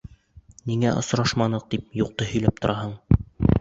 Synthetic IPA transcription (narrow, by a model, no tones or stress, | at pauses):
niŋæʔŏsɾɑʃmɑnɤq̚d̪ip̚juq̚t̪ɤhɵ̆jlæp̚t̪ŏɾʔɑɦɤɴ